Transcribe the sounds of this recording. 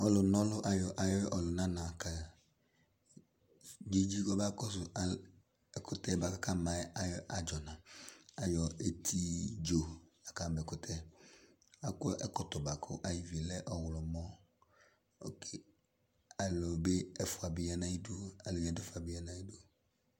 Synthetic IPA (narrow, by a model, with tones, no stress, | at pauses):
ɔ˨lʊ˨nɔ˦lʊ˦ʔa˨jɔ˨ʔa˨jɔ˦ʔɔ˨lʊ˨nã˦nã˨ka˨ | d͡ʒe˦d͡ʒi˦kɔ˦ba˦kɔ˦s̬ʊ˨a˨ | ɛ˨kʊ˨tɛ˦ba˨ka˨˦ka˦˨ma˨˦a˨jɔ˦ʔa˨d͡ʒɔ˨nã˨a˨jɔ˨e˨tʰi˦d͡ʒo˨ja˨ka˨mɛ˨kʊ˨tʰɛ˦ | a˨kʊ˦ɛ̰˦kɔ˦tɔ˨ba˨kʰʊ̰˦ʔa˨ji˨vi˨e˨lɛ˦ʔɔ˨wʊ˨lɔ˨mɔ˦ | o̰˦kʰe˨ | a˨lɔ˨be˦ɛ˦fʊ˨a˨bɪ˨ja˨nã˦i˦du˦a˨lɪ˨ɡɛ˨˦dɛ˦fʊ˨a˨bɪ˨ja˦nã˦i˦du˦